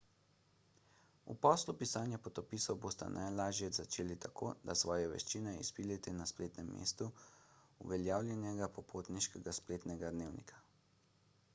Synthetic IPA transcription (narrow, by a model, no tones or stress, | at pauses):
ṵpɔːslupisaːnjapɔt̪ɔpisɔwboːst̪a̰nʔa̰jlaːʒjɛzat͡ʃeːlit̪ʰakʰo̰ːd̪asʋɔːjɛʋɛ̰ʃt͡ʃinɛḭspiːlɛt̪ɛnaspleːt̪nɛmːḛst̪u | uʋɛljaːwlʲjɛnjɛɡapɔpʰoːt̪niʃkɛɡaspleːt̪nɛɡad̪neːwnḭkʰḁ